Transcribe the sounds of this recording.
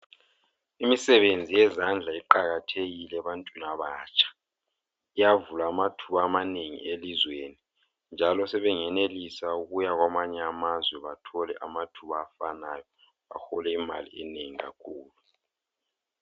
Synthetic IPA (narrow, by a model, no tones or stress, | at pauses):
imisɛβend͡zʱijɛzand͡ɮʱaiǃaɣatʰeɣilɛβantʼwinaβaːt͡ʃʼʰḁ | ijavulaːmatʰuβaːmaneŋḭelizweni | nd͡ʒʱalɔsɛβɛŋɛnelisauɣujaɣwamaɲɛamazwɛβatʰɔlɛ̰ʔamatʰuβaːfanajɔ | a̰xɔlɛima̰lḭɛneŋiɣa̰kʰuːlu